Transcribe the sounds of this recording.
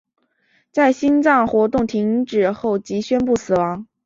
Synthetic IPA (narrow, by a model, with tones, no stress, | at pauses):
t͡sa˥˩ɪɕi˥nt͡sɑ˥˩ŋxwɔ˧˥t̪ʊ˥˩ŋt̪ʰi˧˥ŋʈ͡ʂɻ̩˨˩xo˥˩ʊt͡ɕi˧˥ɕɥɛ˥npu˥˩sɹ̩˨˩wɑ˧˥ŋ